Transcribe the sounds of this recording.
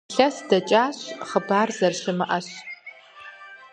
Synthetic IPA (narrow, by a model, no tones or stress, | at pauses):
ɬɐsdɐt͡ʃʼaːɕχəbaːrzɐrɕɪmɨʔɐɕ